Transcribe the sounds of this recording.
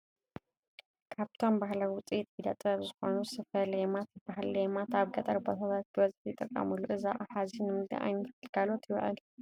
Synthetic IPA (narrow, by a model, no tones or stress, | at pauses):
kʰaβt̪ʰo̞mbahlawʊt͡sʼit̪ʼid̪ɐt̪ʼɐβzɨxo̞nusɨfɐljemat̪bahlɐjemat̪aβɡɐt̪ʼɐɾbo̞t̪ʰat̪ʰat̪̚ɡʰɨwɐzħjɪt̪ʼːɐkʼːɐ̰mɨluʔɨza̰ʔʼaħazinɨmɨd̪ɨ̰ʔa̰jnʰɨlɡalo̞t̪jɪw̰ʕɨ̰l